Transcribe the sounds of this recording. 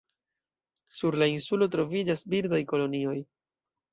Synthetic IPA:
suɾlainsulo̞tɾo̞vid͡ʒasbiɾdajko̞lo̞nio̞j

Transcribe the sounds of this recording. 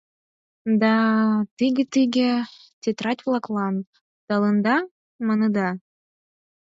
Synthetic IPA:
d̪ɑt̪iɡʲĕt̪iɡʲĕ | t̪ʲet̪ɾɑtʲβlˠɑklˠɑn | d̪̥ɑlˠɤnd̪ɑ | mɤnɤ̆d̪ɑ

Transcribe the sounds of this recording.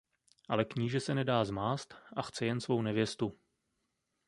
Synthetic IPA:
ʔa̰lɛkɲiːʒɛsɛnɛdaːzmaːst̪ʔaxt͡sɛjɛnsvo̞wnɛvjɛst̪u

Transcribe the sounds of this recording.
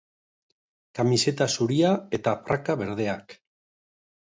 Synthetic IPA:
kamise̞t̪asuɾiae̞t̪aprakaβe̞ɾð̞e̞ak

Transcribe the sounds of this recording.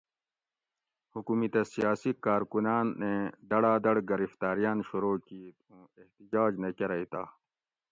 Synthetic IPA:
hukuːmit̪ɐsijaːsikaːɾkunaːnːed̪ɐɽaːd̪ɐɽɡɐɾift̪aːɾijaːnɕuɾoːkiːt̪̚ũːeht̪id͡ʑaːd͡ʑnɐkeɾɐit̪aː

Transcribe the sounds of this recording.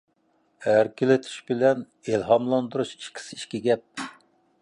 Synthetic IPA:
æɾkʲɪlɪt̪ʰi̥ʃbɪlɛn | elɦɑmlˠɑnd̪uɾuʃi̥ʃkʲʰi̥sɪiʃkʲiɡʲɛp̚

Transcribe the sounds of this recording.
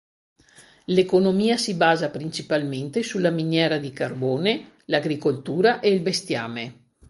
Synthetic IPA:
lekonomiːasibaːzapɾint͡ʃipalment̪esulaminjɛːɾad̪ikarboːne | laɡɾikolt̪uːɾaʔeilbest̪ja̰ːme

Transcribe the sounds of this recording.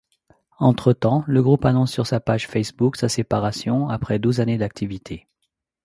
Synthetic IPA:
ɑ̃t̪χət̪ɑ̃ləɡʁupanɔ̃sːyʁsapaʒfɛsbuksasepaʁasjɔ̃apχɛd̪uzaned̪ak̚t̪ʰivit̪ʰe

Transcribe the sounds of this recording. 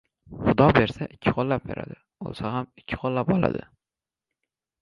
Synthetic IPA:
χʊd̪ɒbe̞ɾsaʔɪkʲʰːɪ̥qʰolːap̚be̞̰ɾa̰d̪ɪ | o̰lˠsahamɪkʲʰːɪ̥qʰolːap̚ɒlˠa̰d̪ɪ̰

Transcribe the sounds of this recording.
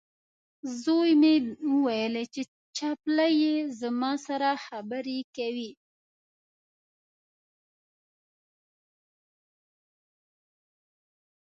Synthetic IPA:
zojmeəwajəlet͡ʃe | t͡ʃɑplajezəmɑsaɾaxabəɾekawi

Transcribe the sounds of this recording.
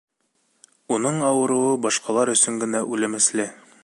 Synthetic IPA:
unɤɴɑwɤ̆ɾɤ̆wɤbɒʃqɑlˠɑɾɵ̆sɵŋɡɘ̆næʔʉlɘ̆mɘ̆slɘ

